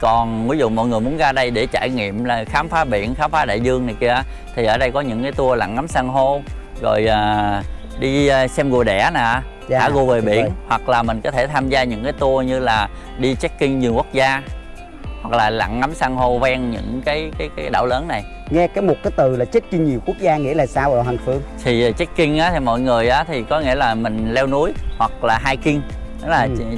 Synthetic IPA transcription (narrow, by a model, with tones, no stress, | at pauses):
kɔ˨˩nvi˨˦zṵ˧˨mɔ̰˧˨jŋɨ˨˩əjmu˨˦ənɣaː˧ɗə˧jɗe˧˩t͡ɕaː˧˩˨jŋḭ˧˨əmlaː˨˩xaː˨˦mfaː˨˦ɓḭ˧˨ənxaː˨˦mfaː˨˦ɗa̰ː˧˨jzɨ˧əŋna˨˩jki˧ə˦ | t̪ʰi˨˩ʔəː˧˩ɗə˧jkɔ˨˦ɲɨ̰˧˥ŋkaː˨˦jt̪u˧əla̰˧˨ŋːa˨˦msaː˧ŋɦo˧ | zo̰˨˩jʔəː˨˩ | ɗi˧sɛ˧mɣo˨˩ɗɛ̰˧˩naː˨˩˧ | aː˧˩ɣo˧ve˨˩ɓḭ˧˨ənhwa˨˩k̚laː˨˩mï˨˩ŋ̟kɔ˨˦t̪ʰe˧˩t̪ʰaː˧mzaː˧ɲɨ̰˧˥ŋkaː˨˦jt̪u˧əɲɨ˧laː˨˩ | ɗi˧t͡ɕɛ˦˥t̚kï˧ŋɲ˨˩əŋkwk̚zaː˧ | hwa˨˩k̚laː˨˩la̰˧˨ŋːa˨˦msaː˧ŋho˧vɛ˧ŋɲɨ̰˧˥ŋkaː˨˦jkaː˨˦jkaː˨˦jɗa̰ː˧˩wləː˨˦nːa˨˩j | ŋɛ˧kaː˨˦jmo˨˩t̚kaː˨˦jt̪ɨ˨˩laː˨˩t͡ɕe˦˥t̚ki˧ŋɲi˨˩əwku˦˥ək̚zaː˧ŋḭ˧˥əlaː˨˩saː˧wha˨˩nfɨ˧əŋt̪ʰi˨˩˨t͡ɕɛ˦˥k̚kï˧ŋ̟ʔaː˨˦t̪ʰi˨˩mɔ̰˧˨jŋɨ˨˩əjʔaː˨˦t̪ʰi˨˩kɔ˨˦ŋḭ˧˥əlaː˨˩mï˨˩ŋ̟lɛ˧wnu˨˦əjhwa˨˩k̚laː˨˩ɦaː˧jki˧ŋ | ɗɔ˨˦laː˨˩